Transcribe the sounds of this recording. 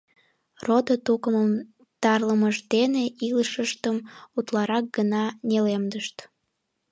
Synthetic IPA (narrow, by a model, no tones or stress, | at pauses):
rod̪ot̪ukəməm | t̪ɑrləməʒd̪eneʔiləʃəʃt̪əmut̪lɑɾɑk̚ɡənɑnelemd̪əʃt̪